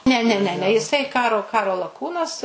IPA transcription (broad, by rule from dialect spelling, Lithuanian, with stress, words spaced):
nʲɛ ˈnʲɛ nʲɛ ˈnʲɛ jɪˈsɐɪ ˈkɑːroː ˈkɑːroː lˠɐˈkuːnɐs